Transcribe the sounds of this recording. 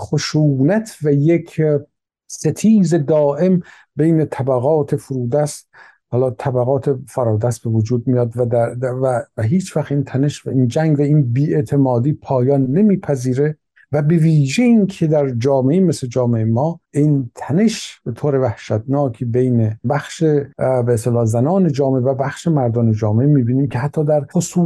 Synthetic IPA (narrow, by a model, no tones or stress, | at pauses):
χoʃuːnæt̪ʰvæjekʰ | set̪ʰiːzed̪ɒːʔe̞m | bejnet̪ʰæbæɣɒːt̪ʰefoɾuːd̪æst̪ | hɒːlɒːt̪ʰæbæɣɒːt̪ʰefæɾɒːd̪æst̪be̞vod͡ʒuːd̪̚mijɒːd̪vææævæɦiːt͡ʃʰvæxiːnt̪ʰæneʃvæiːnd͡ʒæŋɡvæiːnbiːet̪ʰe̞mɒːd̪iːpʰɒːjɒːnːe̞miːpʰæziːɾe̞ | væbe̞viːʒeinkʰed̪æɾd͡ʒɒːmeʔemesled͡ʒɒːmeemɒːʔint̪ʰæne̞ʃb̥et̪ʰoːɾevæhʃæt̪nɒːkʰibejnebæxʃebeːst̪elɒːzænɒːned͡ʒɒːmeʔevæbæxʃemæɾd̪ɒːned͡ʒɒːmeʔemiːbiːniːmcʰehæt̪ʰːɒːd̪æɾχosuː